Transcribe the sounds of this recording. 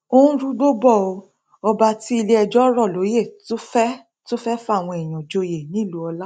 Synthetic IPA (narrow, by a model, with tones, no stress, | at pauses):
o˦ũ˦ɾu˦ɡ͡bo˦bɔ˦˨o˧ | ɔ˧ba˧ti˦i˧le˦ɛ˧d͡ʒɔ˦ɾɔ˦˨lo˨˦je˦˨to˦fɛ˦ | to˦fɛ˦fa˦˨w̃ɔ̃˧ɛ˨j̃ɔ̃˨d͡ʒo˧je˨nĩ˨˦˨lu˨˦ɔ˧la˦